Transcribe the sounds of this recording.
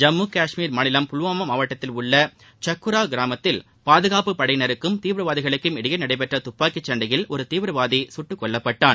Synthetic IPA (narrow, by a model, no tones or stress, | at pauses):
d͡ʒɐmːuːkaːʂmiːɾmɐnɪlɐmpʊlʊʋaːmɐmaːʋɐʈːɐt̪ːɪlʊɭːɐ | t͡ʃɐkːɯɾaːɡɪɾaːmɐt̪ːɪl | paːðɯɣaːpɯpɐɽɐjnɐɾɯkːɯmt̪iːʋɾɯʋaːðɪɣɐɭɯkːɯmɪɽɪjɐnɐɽɐɪpɛʈrɐt̪ʊpːaːkːɪt͡ʃːɐɳɖɐjɪlʔɔɾɯt̪iːʋɾɯʋaːðisʊʈːɯkːɔɭːɐpːɐʈːaːn